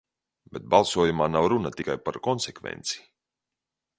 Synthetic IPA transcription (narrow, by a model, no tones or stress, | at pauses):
bɛt̪̚balˠsuɔjumaːnawɾunat̪ikajpaɾkɔnsekvḛnt̪si̥